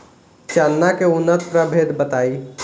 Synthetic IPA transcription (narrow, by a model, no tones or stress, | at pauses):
t͡ʃanːakeʊnːət̪pɾabʱed̪bət̪aːi